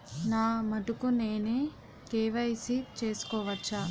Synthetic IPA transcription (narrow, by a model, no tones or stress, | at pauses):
naːmɐʈukune̞ːneː | keːʋɐjsit͡ʃe̞ːsu̥kɔːʋɐt͡ʃːa